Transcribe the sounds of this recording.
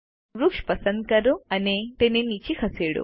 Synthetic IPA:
ɾukʂpɐsɐnd̪̚kɐɾuɐnet̪enenit͡ɕikʰɐseːɽṵ

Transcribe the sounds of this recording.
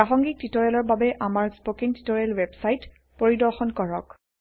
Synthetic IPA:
paxɔŋɡik̚titɔɹɛlɔɹbabɛʔamaɹspokinti̥tɔɹɛlwebsajt | poɹidɔɹxɔnkɔɹɔk

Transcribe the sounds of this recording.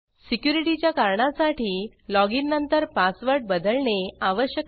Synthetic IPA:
sikjuɾiʈit͡ɕjakaɾɳasaʈiː | lɔɡinːənt̪əɾpasʋəɾʈ̚bəd̪əlɳeaʋəɕjə

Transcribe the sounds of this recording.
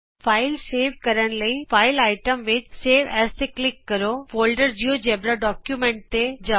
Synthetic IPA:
fʰaːɪlseːʋkɐɾəñ̆ləifaːɪlaːɪʈəmʋɪt͡ʃseːʋɛst̪eklɪkːɐɾofoːlɖəɾd͡ʑiod͡ʒeːbɾaɖɔːkjumẽɳʈ̚t̪ed͡ʒa

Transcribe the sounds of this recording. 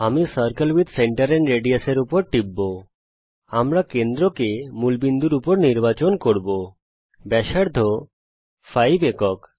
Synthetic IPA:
amisəɾkəlwid̪seɳʈaɾeɳɖɾeɖieseɾupoɾʈibːo | amɾakend̪ɾokemulbind̪uɾupoɾniɾbat͡ɕonkoɾbo | bɛʃaɾd̪ʱo | fʰajbekɔk

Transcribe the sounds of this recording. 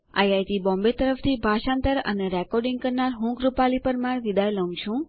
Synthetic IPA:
a̰jajʈ̪ibɔ̃mbet̪əɾəft̪ʰibʱaʃãnt̪əɾə̰neɾɛkɔɾɖĩŋɡ̚kəɾnaɾɦũkɾupalipəɾmaɽʋid̪ajləw̃t͡ʃʰũ

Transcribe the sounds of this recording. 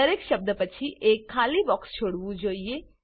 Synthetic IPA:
əɾekʃəb̚d̪əpət͡ʃʰiʔekʰːalibɔkst͡ʃʰoɽʋũd͡ʒoie

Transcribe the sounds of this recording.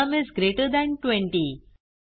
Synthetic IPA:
əmɪzɡɾeʈəd̪æ̃ɳʈwẽɳʈi

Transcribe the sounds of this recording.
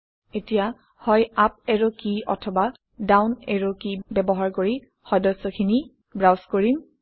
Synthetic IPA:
etija | hɔjap̚ɛɹokiɔ̰tʰɔba | dawnɛ̰ɹokibɛbɔɦaɹkoɹi | xɔdɔsɔkʰini | bɹawskoɹim

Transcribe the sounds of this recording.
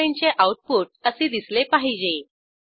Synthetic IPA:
iɲt͡ɕeʔawʈ̚puʈ̚əsed̪islepaɦid͡ʑe

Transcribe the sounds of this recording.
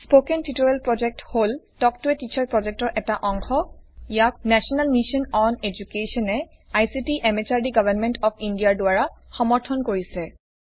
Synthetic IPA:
spokɛntitoɹɛlpɹɔd͡ʒɛk̚tholtɔktuɛtit͡ʃʰaɹpɹɔd͡ʒɛk̚tɔɹʔɛtaʔɔŋxɔjak̚nɛsɔnalmiʃɔnɔned͡ʒukesɔnɛ | ajsitiʔɛmet͡ʃaɹdiɡavanmɛntɔpʰindijadʊaɹaxɔmɔɹtʰɔnkoɹisɛ

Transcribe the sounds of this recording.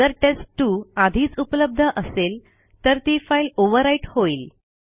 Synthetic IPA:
əɾʈesʈʈːuːad̪ʱiːt͡supləb̚d̪ʱəʔəsel | t̪əɾt̪iːfailoʋəɾaiʈhoiːl

